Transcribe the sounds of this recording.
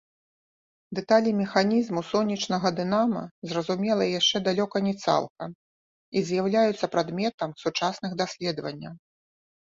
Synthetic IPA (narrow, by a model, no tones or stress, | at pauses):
d̪ɛt̪alʲimʲɛxanʲizmusɔnʲːit͡ʂnɐɣɐd̪ɨnamɐ̰zrɐzumʲɛlˠɐjaʂt͡ʂɛd̪alʲɔkɐnʲɛt̪sa̰lˠkɐm | izjawlʲajut̪sːɐpɾad̪mʲɛt̪ɐmsut͡ʂasnɨxd̪asʲlʲɛd̪ɐvɐ̰nʲːɐw